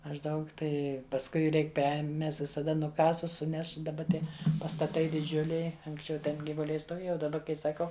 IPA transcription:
mɐʒˈdɐʊk ˈtɐɪ pɐsˈkʊɪ ˈrʲɛɪk ˈpʲɛr ˈmʲɛs ʋʲɪsɐˈdɐ nʊˈkɑːsʊs ˈsʊnʲɛʃ dɐˈbɐ ˈtʲiɛ pɐstɐˈtɐɪ dʲɪˈd͡ʒʲʊlʲɛɪ ɐŋksʲˈt͡ʃʲɛʊ tʲɛn ɡʲiːʋʊˈlʲɛɪ stoːˈʋʲeːjɛ oː dɐˈbɐ kɐɪ sɐˈkɐʊ

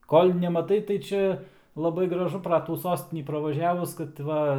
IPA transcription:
ˈkoːlʲ nʲɛmɐˈtɐɪ tɐɪ ˈt͡ʃʲɛ lˠɐˈbɐɪ ɡrɐˈʒʊ prɐ ˈtuː ˈsoːsʲtʲɪnʲiː prɐʋɐˈʒʲæːʋʊs kɐt ˈʋɐ

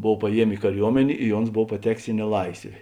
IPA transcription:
ˈboːw pɐˈjiɛmʲeː ɪ kɐˈrʲuɔmʲɛnʲeː ɪ ˈoːns ˈboːw pɐˈtʲæːkʲeːs ɪ nʲɛˈlˠɐɪsʲʋʲeː

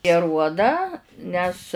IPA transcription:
ɪ ɐˈruɔdɑː ˈnʲɛs

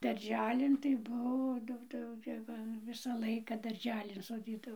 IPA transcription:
dɐrʲˈʒʲæːlʲɪn tɐɪ ˈbuɔ ˈdɐʊk tɐɪ jɛʊ ɡʲɪ ˈʋɐ ˈʋʲɪsɑː ˈlˠɐɪkɐ dɐrʲˈʒʲæːlʲɪn soːˈdʲiːdɐʋoː

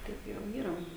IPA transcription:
ˈtɐɪp jɛʊ ˈiːrɐ

